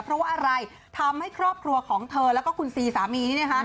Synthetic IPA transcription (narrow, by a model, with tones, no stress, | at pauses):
pʰɾɔ˦˥waː˥˩ʔa˧ɾa˧j | t̪ʰa˧mha˥˩jkʰɾɔː˥˩p̚kʰɾu˧ɐkʰɔː˩˦ŋt̪ʰɤː˧lɛː˦˥wkɔː˥˩kʰu˧nsiː˧saː˩˦miː˧niː˦˥˩i˥˩kʰa˦˥